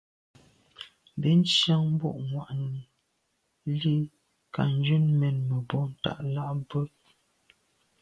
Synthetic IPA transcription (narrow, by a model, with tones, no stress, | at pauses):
m˨bi˦n̩˦ʃja˦ŋm̩˦bɔ̰˦˨ʔŋwa˨ʔni˨ | li˦ | ka̰˨n̩˦d͡ʒʉ˦nmɛ˨nmə˨bɔ˦n̩˨ta̰˨ʔla˦ʔbə˦